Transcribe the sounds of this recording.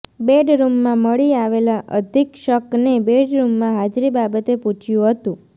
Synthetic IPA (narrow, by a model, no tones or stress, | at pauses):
beɖɾumːãməɭiaʋelaʔə̰d̪ʱikʃəknebeɖɾumːãɦad͡ʒɾibabət̪epũt͡ʃʰjũɦət̪ũ